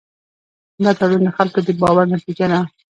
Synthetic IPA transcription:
hnd̪ɑt̪aɽund̪əxalkod̪əbɑwaɾnat̪id͡ʒana

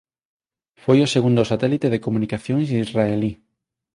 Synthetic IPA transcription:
fojoseɣund̪osat̪ɛlit̪eðekomũnikaθjõŋsizraeli

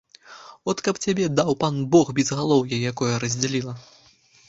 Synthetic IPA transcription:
ɔt̪kɐpt͡sʲabʲɛd̪awpanbɔɣbʲɛzɣalˠɔwjɐjakɔjɐɾɐzʲd͡zʲalʲilˠɐ

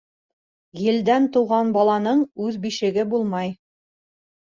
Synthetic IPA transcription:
jɘ̆ld̪ænt̪ŭwʁɑnbɑlˠɑnɤɴʉðbiʃɘ̆ɡɘbulˠmɑj

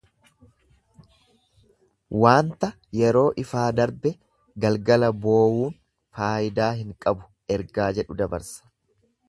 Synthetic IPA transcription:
waːnt̪ɐ | jɛɾo̞ːʔɪfaːd̪ɐɾbɛ | ɡɐlɡɐlɐbo̞ːwuːn | faːʔɪd̪aːɦɪŋkʼɐbʊ̥ | ɛɾɡaːd͡ʒɛᶑʊd̪ɐbɐ̰ɾsɐ̥

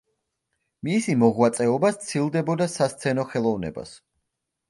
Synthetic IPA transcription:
misimɔʁwat̪sʼɛɔbat̪sʰilˠd̪ɛbɔd̪asast̪sʰɛnɔχɛlˠɔvnɛ̰ba̰s

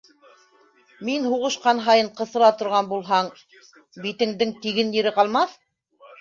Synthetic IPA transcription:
minhuʁɤ̆ʃqɑnɦɑjɤɴqɤ̆sɤ̆ɾɑt̪ŏɾʁɑnbulˠɦɑɴ | bit̪ɘ̆ŋd̪ɘŋt̪iɡɘnjiɾɘqɑlˠmɑθ

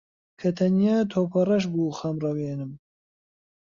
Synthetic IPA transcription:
kʰɐt̪ʰɐnijat̪ʰoːpʰɐrɐʃ̬buːxamrɐweːnɨm

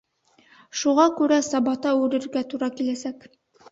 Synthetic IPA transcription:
ʃuʁɑkʉɾæsɑbɑt̪ɑʉɾɘ̆ɾɡæt̪uɾɑkilæsæk

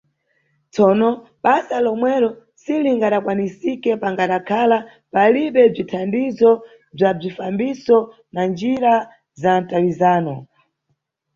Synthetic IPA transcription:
t͡sɔːnɔ | ɓasalɔmwɛɾɔ | siliŋɡaɗakwanisikɛpaŋɡaɗakʰala | paliɓɛb͡ʐitʰandizɔ | b͡ʐab͡ʐifambisɔ | nand͡ʒiɾa | zantalizaːnɔ

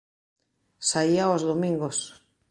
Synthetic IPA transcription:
saiaozðomĩŋɡos

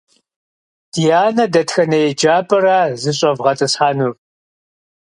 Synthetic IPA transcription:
d̥ijaːnɐdɐtxɐnɐjɛd͡ʒaːpʼɐraːzɨɕ̬ʼɐvʁɐtʼɨsħaːnur

